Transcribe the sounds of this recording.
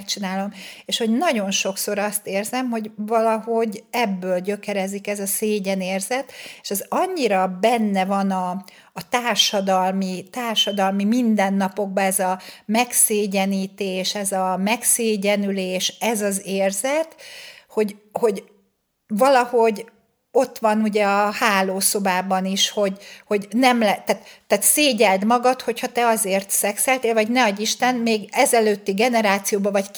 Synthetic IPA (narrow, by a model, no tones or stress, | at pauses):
kt͡ʃinaːlo̞meːʃho̞ɟnɒɟo̞nʃo̞kso̞ɾɒst̪eːrzɛmɦo̞ɟvɒlɒɦo̞ɟɛbːøːlɟø̞kɛɾɛzikɛzɒseːɟɛneːrzɛt̪eʃɛzɒɲːiɾɒbɛnːɛvɒnɒː | t̪aːrʃɒd̪ɒlmit̪aːrʃɒd̪ɒlmimind̪ɛnːɒpo̞ɡ̚bɒɛzɒmɛkseːɟɛniːt̪eːʃɛzɒmɛkseːɟɛnyleːʃɛzɒzeːrzɛt̪ho̞ɟho̞ɟ | vɒlɒho̞ɟ | o̞t̪ːʋɒnuɟɛɒhaːloːso̞baːbɒniʃho̞ɟho̞ɟnɛmlɛt̪ːaːt̪ːaːt̪seːɟɛld̪mɒɡɒt̪ho̞chɒt̪ɛɒzeːrt̪sɛksɛlt̪eːlvɒɟnɛɒɟiʃt̪ɛnmeːɡɛzɛløːt̪ːiɡɛnɛɾaːt̪sijoːbɒvɒc